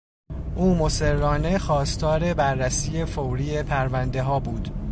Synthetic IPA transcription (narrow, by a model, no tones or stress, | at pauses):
ʔuːmo̞se̞rːɒːne̞xɒːst̪ʰɒːɾe̞bæɾːæsiːje̞fowɾiːe̞pʰæɾvænd̪e̞ɦɒːbuːd̪̥